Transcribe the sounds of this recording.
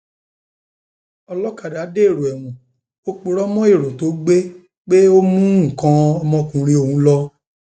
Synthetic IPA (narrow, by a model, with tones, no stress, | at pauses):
ɔ˧lɔ˦ka˨da˨˦de˦e˦˨ɾo˨ɛ˨wũ˨ | o˦k͡po˨˧ɾɔ˦mɔ̃˦e˦˨ɾo˨to˨˦ɡ͡be˦ | k͡pe˦o˦mũ˦˨kã˧ɔ˧mɔ̃˧kũ˨˧˦ɾ̃ĩ˧o˧˨hũ˨˧˦lɔ˦